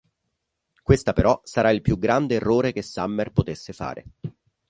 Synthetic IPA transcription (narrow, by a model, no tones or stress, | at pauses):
kwest̪apeɾɔsaɾailpjuɡɾand̪eːrːoːɾek̟esːamːerpot̪esːefa̰ːɾʔḛ